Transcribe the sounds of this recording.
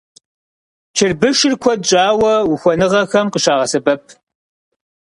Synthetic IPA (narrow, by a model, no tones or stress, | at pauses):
t͡ʃʰɪrbɨʃɪrkʷʰɔdd͡ʒʼaːwɐwʊxʷɔnɨʁɐxɐmqəʃaːʁɐsɐbɐp̚ʰ